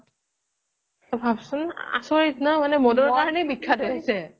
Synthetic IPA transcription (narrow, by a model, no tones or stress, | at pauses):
bʱabsʊna̰sɔɹitnamanɛmɔdɔɹkaɹɔnɛbikʰːadɔasɛ